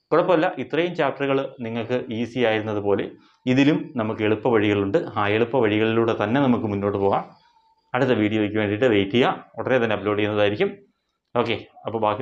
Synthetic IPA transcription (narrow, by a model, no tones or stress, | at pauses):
kuɽɐpːɐmɐlːɐʔit̪rɐjumt͡ɕaːp̚ʈːɐruɣɐɭniŋːɐɭkɨʔisiaːjiɾunːɐðɨpo̞ːle̞ | iðilumnɐmukːe̞ɭupːɐʋɐɻiɣɐɭuɳɖɨhaːjeɭupːɐʋɐɻiɣɐɭiluːɽe̞t̪ɐnːe̞nɐmukːɨmunːo̞ːʈːɨpo̞ːɣaːm | ɐɽɨt̪ːeʋiːɽijuʋek̬ʲːumeːnɖiʈːɨʋejtːijaːoɽɐnet̪ɐnːeɐploːɖikːunːɐðaːjiɾikʲːum | o̞ːkːe̞ɐpːoɭbaːki